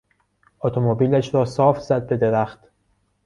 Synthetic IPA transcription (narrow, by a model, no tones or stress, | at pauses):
ʔɔt̪ʰomobiːlæʃɾɒːsɒːfz̥æd̪̚be̞d̪e̞ɾæxt̪